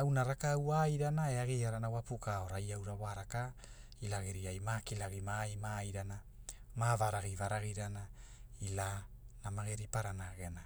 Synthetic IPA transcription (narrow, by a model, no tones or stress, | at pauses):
awnaɾakawajɾanaeaɡejaɾanawapukaoɾajawɾawaɾaka | ilaɡiɾiajmakilaɡimajmajɾana | mavaɾaɡivaɾaɡiɾanailanamaɡeɾipaɾanaɡe̞na